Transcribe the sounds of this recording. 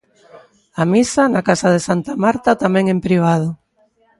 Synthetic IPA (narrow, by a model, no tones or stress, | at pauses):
amisanakasað̞esant̪amaɾt̪at̪amɛ̃ŋempɾiβ̞að̞ʊ